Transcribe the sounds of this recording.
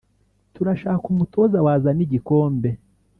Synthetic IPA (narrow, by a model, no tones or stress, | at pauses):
tuɾaʃaːkumuto̞zawaːzaniɟiko̞ːmbe̞